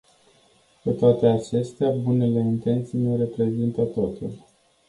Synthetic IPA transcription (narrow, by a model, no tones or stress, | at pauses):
ket̪oat̪e̞at͡ʃe̞st̪eabune̞le̞int̪e̞nt̪sijneɾe̞pɾe̞zint̪ət̪o̞t̪ṵl